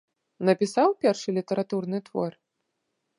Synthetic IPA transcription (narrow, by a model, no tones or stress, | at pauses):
nɐpʲisawpʲɛrʂɨlʲit̪ɐɾat̪urnɨt̪vɔr